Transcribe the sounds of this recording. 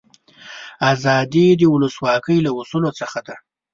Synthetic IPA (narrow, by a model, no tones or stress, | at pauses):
azɑd̪id̪əwʊləswɑkəjlawusulot͡səxad̪a